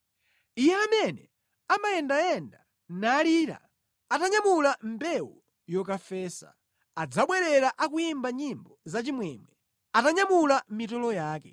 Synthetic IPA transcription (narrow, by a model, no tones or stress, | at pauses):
ijɛamɛnɛ | amaɛndaɛnda | naːliːɾa̰ | ataɲamulambɛwu | jɔkafɛːsa̰ | ad͡zaɓwɛɾɛɾaʔakujimbaɲimbɔzat͡ʃimwɛmwɛ | ataɲamulam̩mitɔlɔjaːkɛ